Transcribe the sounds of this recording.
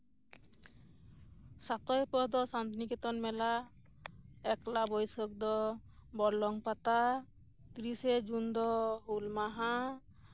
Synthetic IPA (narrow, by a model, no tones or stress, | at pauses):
sat̪ɔjpɔd̪ɔsant̪nikɛt̪ɔnmɛla | ɛklabɔjsɔk̚d̪ɔbɔɾlɔŋpat̪a | t̪ɾisɛd͡ʒund̪ɔɦulmaɦã